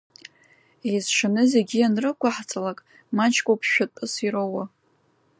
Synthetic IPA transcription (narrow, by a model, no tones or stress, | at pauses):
ejzʂanɨze̞ɡʲianrɨkʷʰʼaħt͡sʼalakʼ | mat͡ʃʰkʷʼowpʰʃᶣatʼɨsiɾowa